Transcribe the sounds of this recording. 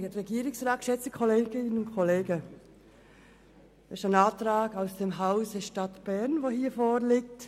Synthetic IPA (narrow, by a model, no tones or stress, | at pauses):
əɾɛɡiːɾɪksʁɑːt̚kʃɛt͡sə̥kʰɔleːɡ̥ɪnənʊnkʰɔleːɡə | ɪʃaɪnɑːtrɑːɡaʊsd̥eːmɦaʊsd̥ɛʃtɑtb̥ɛʁnvoːhiːfoːɾlɪk̚t